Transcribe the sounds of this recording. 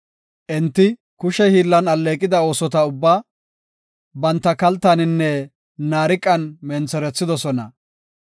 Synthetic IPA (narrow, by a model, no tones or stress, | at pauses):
ʔɛnt̪ːɪ | kʊʃɛhiːlːɐnɐlːeːkʼːɪd̪ɐo̞ːsɔt̪ɐʊbːaː | bɐnt̪ːɐkɐlt̪ːɐnɪnːɛ | naːɾɪkʼːɐnmɛnt͡sːɛɾɛt͡sːɪd̪ɔsɔnɐ̰